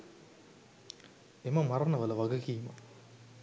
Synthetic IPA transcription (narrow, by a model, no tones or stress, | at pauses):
emɐmɐɾɐnɐʋɐlɐʋɐɡɐkiːmɐ̰